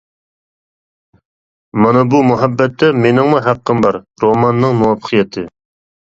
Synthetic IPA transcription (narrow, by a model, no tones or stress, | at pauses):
mɑnɨbumuɦɛbːɛt̪ːɛmenɪŋmuɦæqːəmbɑɾ | ɾomɑnːɨŋmuwɑpʰə̥qʰijɛt̪ʰɨ